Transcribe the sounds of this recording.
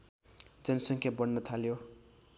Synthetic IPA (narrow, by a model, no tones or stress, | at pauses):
d͡zʌnsʌŋkʰjabʌnːʌt̪ʰaljo